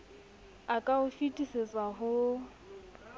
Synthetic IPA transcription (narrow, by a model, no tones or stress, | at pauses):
akʼaʊfitʼisɪt͡sʼwaɦʊ